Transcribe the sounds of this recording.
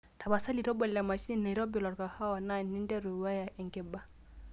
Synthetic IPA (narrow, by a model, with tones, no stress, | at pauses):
ta˨ba˨sa˦li˨ɾɔ˦bɔ˨la˨ma˨ʃi˦ni˦na˨i˨ɾɔ˦bi˦˨lɔ˨ɾka˨ha˦wa˨na˦˨ni˦ndɛ˦ɾu˨wa˦ja˨ʔɛ˨ŋɡɛ˦ba˨